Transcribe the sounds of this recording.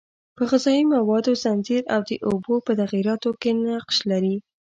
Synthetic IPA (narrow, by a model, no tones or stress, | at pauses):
pəɣɪzɑimawɑd̪ozanziɾawd̪əʔobopət̪aɣiɾɑt̪okenaqʃlaɾi